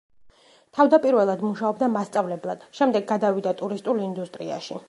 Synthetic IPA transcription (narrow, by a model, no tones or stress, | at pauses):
t̪ʰavd̪apʼiɾvɛlˠad̪muʃaɔb̚d̪amast̪sʼavlɛblˠad̪̥ʃɛmd̪ɛɡːad̪avid̪at̪ʼuɾist̪ʼulind̪ust̪ʼɾia̰ʃi